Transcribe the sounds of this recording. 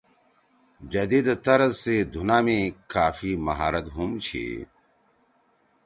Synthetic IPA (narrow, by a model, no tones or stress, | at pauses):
d͡ʑɐd̪iːd̪t̪ɐɾɐzsed̪ʱunaːmĩkaːfimɐɦaːɾɐt̪ɦumt͡ɕʰḭ